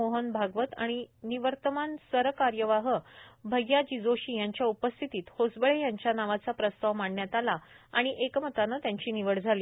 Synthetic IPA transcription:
oɦənbʱaɡʋət̪a̰ɽ̃iniʋəɾt̪əmansəɾkaɾjəʋaɦəbʱəɡjad͡ʑid͡zoɕiːjaɲt͡ɕjaupəst̪ʰit̪iːt̪hod͡zbəɭejaɲt͡ɕjanaʋat͡sapɾəst̪aʋmaɳːjat̪alaaɽ̃iʔekm̤ət̪anət̪jaɲt͡ɕiːniʋəɽd͡zʱaliː

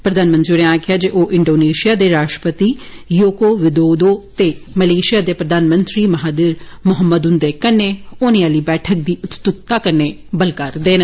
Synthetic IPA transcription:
pɾəd̪aːnmə̃nt̪ɾiɾẽaːkʰɪjaːd͡ʒeʔoːʔɪɳɖoːneːʃijaːd̪eːɾaːʃʈɾə̥pət̪iːjoːkoːʋɪd̪oːd̪oːt̪eːməleːʃɪjaːd̪eːpɾəd̪aːnmənt̪ɾiːməɦaːd̪ɪɾmʊɦəmːəd̪ʊnd̪eːkənːeːʊnĩːaːliːbɛːʈʰək̚d̪iːʊt̪st̪ʊt̪ːaːkənːeː | bəlkəɾd̪eːnə

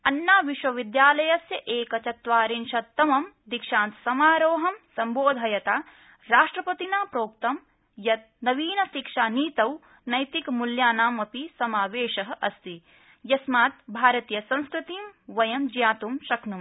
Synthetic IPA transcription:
ɐnːaːʋiʃʋɐʋid̪jaːlɐjɐsjɐʔeːkɐt͡ʃɐt̪ʋaːɾinʃɐt̪ːɐmɐmd̪ikʃãːnt̪sɐmaːɾoːɦɐmsɐmboːd̪ʱɐjɐt̪aː | ɾaːʂʈɾɐpɐt̪inaːpɾoːk̚t̪ɐm | jɐt̪̚nɐʋiːnɐʃikʂaːniːt̪ɐw | nɐjt̪ikmuljaːnaːmɐpisɐmaːʋeːʃɐɦɐ̆ʔɐst̪i | jɐsmaːt̪bʱaːɾɐt̪ijɐsɐ̃nskɾut̪iːmʋɐjɐmd͡ʒjaːt̪umʃɐknum

